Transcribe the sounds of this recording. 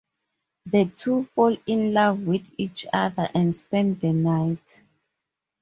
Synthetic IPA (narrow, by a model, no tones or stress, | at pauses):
ðətʰufɔlĩnlavwiθit͡ʃaðəʔɛ̃nspɛ̃nddənajt